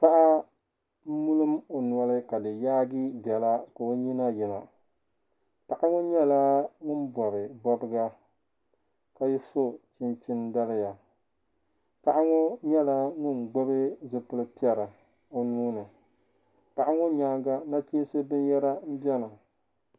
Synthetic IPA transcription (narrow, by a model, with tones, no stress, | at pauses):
pa˦ʔa˦ | m̩˦mu˦lɨ˦mo˨nu˨ɔ˦lɨ˦ka˨dɨ˨jaː˦ɡi˦bɛ˨la˦ka˨o˦ɲi˦na˦jɪ˨ma˨ | ta˨ʔa˦ŋʊ˦ɲɛ˦la˦ŋʊ˦n˦bɔ˨bɪ˨bɔ˦bɨ˦ɡa˦ | ka˨ji˦so˦t͡ʃɪ˦nt͡ʃɪ˦nda˦lɪ˦ja˨ | ta˨ʔa˦ŋʊ˦ɲɛ˦la˦ŋʊ˦˨n˨ɡ͡bʊ˦bɨ˦zʊ˨pɨ˦lɨ˦pi˦ɛ˨ɾa˨ | o˨nuː˦nɨ˨ | ta˨ʔa˦ŋʊ˦ɲaː˦ŋɡa˦na˦t͡ʃi˦n˦sɨ˦bɨ˦njɛ˦ɾa˦m̩˦bjɛ˦na˨